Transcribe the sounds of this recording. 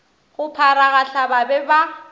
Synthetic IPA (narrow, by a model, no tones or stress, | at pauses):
ɣʊpʰaɾaɣaɬababɛba